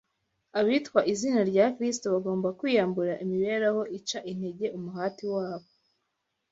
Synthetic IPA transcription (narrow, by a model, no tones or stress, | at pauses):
aβitkwaʔizinaɾɟaːkɾis̬toβaɡo̞ːmbakwiːjaːmbuɾaʔimiβe̞ːɾaho̞ʔit͡ʃaʔin̥he̞ɟe̞ʔumuɦaːtiwaːβo